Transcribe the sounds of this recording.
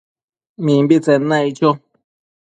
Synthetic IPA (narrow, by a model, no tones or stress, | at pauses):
mĩmbit͡senãit͡ʃo